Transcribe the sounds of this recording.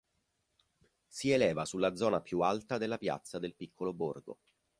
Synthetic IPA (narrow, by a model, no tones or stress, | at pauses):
sielɛːvasulːad̪zɔːnapjualt̪ad̪elːapja̰t̪sːad̪elpikʰːoloborɡo̰